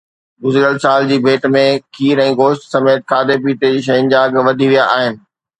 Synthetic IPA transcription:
ɡʊzɾijəlsaːld͡ʑiːbʱeːʈmẽkʰiːɾɛ̃ːɡoːʃʈsɐmeːt̪̚kʰaːd̪ʱep̬iːʈed͡ʑiːʃ̬ɐjʊnd͡ʑaɡʋɐd̪ʱiʋijaʔaːɦɪnɪ̆

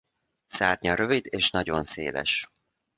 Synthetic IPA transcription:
saːrɲɒɾøvid̪eːʃnɒɟo̞nsḛːlɛ̰ʃ

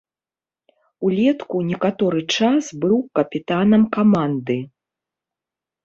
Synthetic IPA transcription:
ulʲɛt̪kunʲɛkat̪ɔɾɨt͡ʂasbɨwkɐpʲit̪anɐmkamand̪ɨ

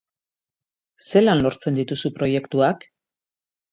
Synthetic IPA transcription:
se̞lanlo̞ɾt͡se̞nd̪it̪usupɾo̞je̞kt̪uak

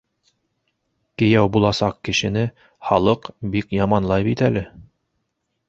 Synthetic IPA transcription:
kɘ̆jæwbulˠɑsɑqkɘ̆ʃɘ̆nɘ | χɑlˠɤqbikjɑmɑnlˠɑjbit̪ælɘ

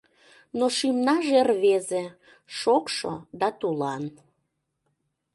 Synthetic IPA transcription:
noʃimnɑʒerβeze | ʃokʃo̰d̪ɑt̪ulɑn

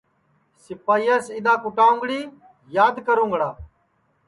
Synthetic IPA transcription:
sɪpaːiːəsɪ̃ɗ̪ãːkʊʈaːʊ̃ŋɡɽiː | jaːd̪kəɾũːŋɡɽaː

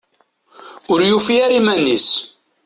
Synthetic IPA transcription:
ʊɾjufiaɾimænːis

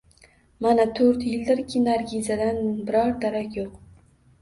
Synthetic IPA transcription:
manat̪ʰɵɾt̪jɪld̪ɪɾkʲʰɪnaɾɡʲizad̪anbɪɾɒɾd̪aɾakʲjoq

